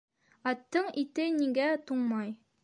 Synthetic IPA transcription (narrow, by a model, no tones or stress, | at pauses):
ɑt̪ːɤɴit̪ɘniɡæt̪uɴmɑj